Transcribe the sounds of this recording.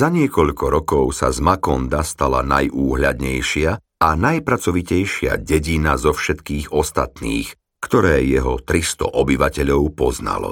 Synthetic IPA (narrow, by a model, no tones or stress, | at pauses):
zaɲɪɛkɔʎkɔɾɔkɔʊsa̰zmakɔnd̪ast̪ala̰na̰jʔuːɦʎad̪ɲɛjʃɪa | anajpɾat͡sɔʋicɛjʃɪa̰ɟɛɟinazɔfʃɛt̪kiːɣɔst̪at̪nḭːx | kt̪ɔɾɛːjɛɦɔt̪ɾist̪ɔ̰ʔɔbiʋacɛʎɔʊpɔzna̰lɔ̰